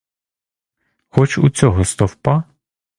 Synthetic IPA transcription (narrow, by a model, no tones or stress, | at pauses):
xɔt͡ʃṵt͡sʲɔɦɔst̪ɔwpɑ